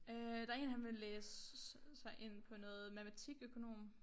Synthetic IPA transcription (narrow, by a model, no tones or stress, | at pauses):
ød̥ɑ̈ɐe̝̰ːnɦænʋe̝leːssɑ̈ɪʔe̝n̰pʰɒ̽nɔ̽ːð̩ˠmæmæt͡sʰiɡ̥økʰo̝no̝̰ːm